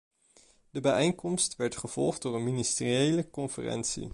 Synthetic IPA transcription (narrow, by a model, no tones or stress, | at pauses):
dəbɛjɛjŋkɔmstʋɛɹtχəv̥ɔ̰lˠχd̚ʊːɹənministəriejləkɔnfə̰rɛ̰ntsḭ